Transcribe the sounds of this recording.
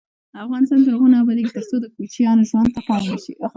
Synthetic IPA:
əafɣɑnɪst̪ɑnt̪̬əaɣunɑbaleɡit̪əɾt͡sod̪əkut͡ʃjɑnoʒwand̪̚t̪apɑlnəʃi

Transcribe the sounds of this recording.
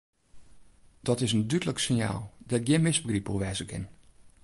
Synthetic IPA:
d̥ɔtɪsəndydləksɪnja̰ːlˠdɛɡjɪnmɪsbəɡripuʋɛːzəkʰɪ̰n

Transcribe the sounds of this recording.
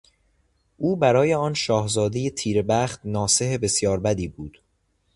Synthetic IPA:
ʔuːbæɾɒːje̞ɒːnʃɒːhzɒːd̪ejet̪ʰiːɾebæːχt̪nɒːse̞ɦebe̞sjɒːɾbæd̪iːbuːd̪̥

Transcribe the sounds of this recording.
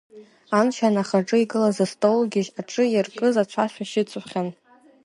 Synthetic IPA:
anʃanaχaʈ͡ʂʼɨiɡʼɨlazastʼolɡʲɪʒaʈ͡ʂʼɨjarkʼɨzat͡ɕʷʰaʃʷᶣaʃɪt͡sʰʼʊχʲan

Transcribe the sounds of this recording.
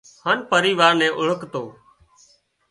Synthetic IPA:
haːnpəɾiːʋaːɾnɛ̃ːʔʊɭəkt̪oː

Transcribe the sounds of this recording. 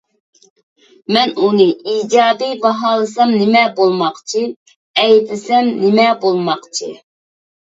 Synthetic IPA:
mɛnunɨiːd͡ʒɑːd̪ibɑɦɑːlˠɨsɑmnɪmɛbolˠmɑqt͡ʃʰi | ɛjd̪ɪsɛmnɪmɛbolˠmɑqt͡ʃʰḭ

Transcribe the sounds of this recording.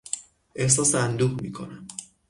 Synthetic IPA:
ʔe̞hsɒːseænd̪uːɣmḭːkʰo̞̰næm

